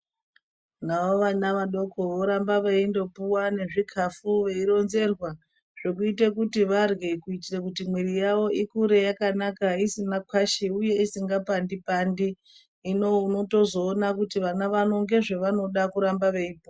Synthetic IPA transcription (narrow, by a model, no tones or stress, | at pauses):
naʋo̞ʋanaʋaɗo̞ko̞ʋoɾambaʋeindo̞puwane̞ʐikʰafuʋe̞iɾo̞nze̞rwa | ʐ̥ekuitekutiʋarɡekuitirekutimwirijaʋo̞ʔikuɾe̞jakanakaisinakwaʃiuje̞isiŋɡapandipandiː | no̞uno̞to̞zo̞ːnakutiʋanaʋano̞ŋɡe̞ʐeʋano̞ɗakuɾambaʋeipua